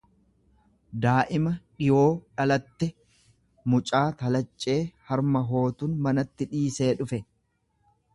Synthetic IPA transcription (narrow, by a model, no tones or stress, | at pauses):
d̪aːʔɪmɐᶑɪjo̞ːᶑɐlɐt̪ːɛ | mʊt͡ʃʼaːt̪ɐlɐt͡ʃʼːe̞ːhɐɾmɐɦo̞ːt̪ʊnmɐnɐt̪ːɪᶑiːse̞ːᶑʊfɛ